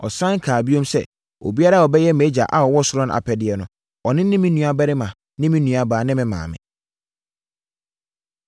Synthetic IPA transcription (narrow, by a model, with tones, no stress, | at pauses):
ɔ˨sã˦ŋ˦kʰaː˨bi˦õ˦msɛ̰˦˨ | o̰˨bi˦a˦ɾa˦˨ɔ˨bɛ˦jɛ˦me˨˦d͡ʑa̰˨ʔa˨ɔ˨wɔ˦sʊ˦ɾɔ̃˦n˦ʔa̰˨pʰɛ˨dɪ˨˦ɛ˦nʊ̃˦ | ɔ˨nɪ̃˦nɪ̃˦mĩ˦nũ˨a˨bɛ˦ɾɪ˦mã˨ | nɪ̃˦mɪ̃˦nũ˨a˨baː˨nɪ̃˦mɪ̃˨mã̰ː˨mɪ̰̃˨